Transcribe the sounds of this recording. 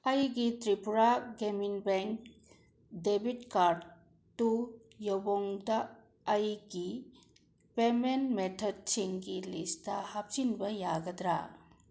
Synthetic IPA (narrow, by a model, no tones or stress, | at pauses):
ɐjɡitɾipuɾaɡeminbeŋk | debitkaɾd | tːu | jɔwbɔŋdɐː | jɡi | pemenmetʰɔd̚siŋɡilistɐhap̚t͡ʃinbɐjaɡɐdɾa̰